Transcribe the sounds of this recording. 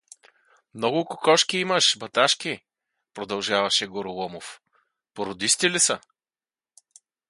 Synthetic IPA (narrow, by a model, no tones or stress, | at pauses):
mnɔɡʊkʊkɔʃkiimɐʃbɐt̪aʃk̟i | pɾod̪ɐlˠʒavɐʃɛɡoɾʊlˠɔmof | poɾod̪ist̪ʲilisə